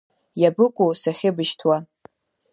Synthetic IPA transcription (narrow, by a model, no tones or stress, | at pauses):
jabɨkʷʼusaχʲɪbɨʃtʰwa